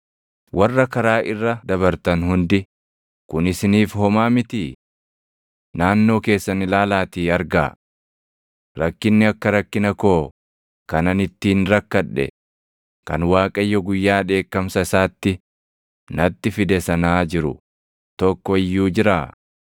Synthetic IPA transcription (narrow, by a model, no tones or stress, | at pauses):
wʔɐrːɐkɐɾaːʔɪrːɐd̪ɐβɐɾt̪ɐnɦʊnd̪ɪ | kʊnɪsɪniːfhɔmaːmɪt̪i | naːnːo̞ːke̞ːsːɐnɪlaːlaːt̪iːɐɾɡa̰ː | ɾɐkːɪnːɪɐkːɐɾɐkːɪnɐkoː | kɐnɐnɪt̪ːiːnɾɐkːɐᶑːɛ̰ | kɐnwaːkʼɐjːɔɡʊjːaːᶑe̞ːkːɐmsɐɪsaːt̪ːɪ | nɐt̪ːɪfɪd̪ɛsɐnaːd͡ʒɪɾʊ̰ | t̪ɔkːɔɪjːuːd͡ʒɪɾaː